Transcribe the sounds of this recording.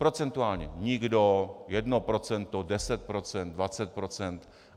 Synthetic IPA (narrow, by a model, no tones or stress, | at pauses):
pɾo̞t͡sɛnt̪uaːlɲɛɲɪɡdojɛdnopɾo̞t͡sɛnt̪odɛsɛt̪̚pɾot͡sɛnd̪̚dvat͡sɛt̪̚pɾo̞t͡sɛnt̪